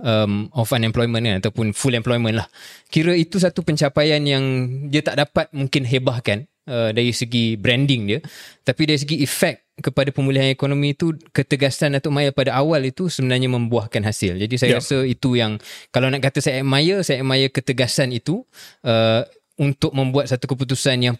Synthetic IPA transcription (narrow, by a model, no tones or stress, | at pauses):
əmɔfanɛ̃mplɔjmə̃nkanat̪awpʊnfulɛmplɔjmə̃nlahkiɾəit̪us̬at̪upəɲt͡ʃapajanjaŋdiət̪aʔdapat̪̚mũŋkɪnɦebahkan | ədaɾisəɡibɾɛndɪŋdiət̪apidaɾis̬əɡiːfɛk̚kəpadapəmũliɦanekonõmĩːt̪ukət̪əɡasanat̪amajəpadaawalit̪usəbənarɲamə̃mbuahkanɦasɪld͡ʒadisajaɾasəit̪ujaŋkalanaʔkat̪əsajamãjəsajamãjəkət̪əɡasanit̪uə | unt̪ʊk̚mə̃mbuat̪̚sat̪ukəput̪̬usanjaŋ